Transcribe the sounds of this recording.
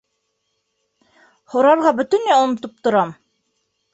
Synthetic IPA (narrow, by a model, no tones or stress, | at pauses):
hŏɾɑɾʁɑbɵ̆t̪ɵ̆nːæŏnŏt̪ɤp̚t̪ŏɾɑm